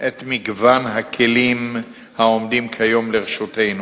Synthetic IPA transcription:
ʔet̪miɡvanɦakʰelim | hao̞md̪imkʰajo̞mleʁeʃutejnu

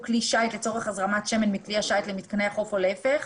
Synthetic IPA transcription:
kliʃajt̪let͡so̞ʁeχazʁamat̪ʃemenmikliaʃajt̪lemit̪̚kaneaχo̞folefeχ

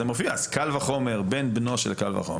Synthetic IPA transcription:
emofiaskalvaχo̞me̞ʁbenbno̞ʃelkalva̰χo̞̰m

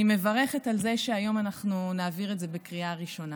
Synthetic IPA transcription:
ime̞vaʁeχetalzeʃeajo̞manaχnunaːviʁetzebekʁiaʁiʃo̞na

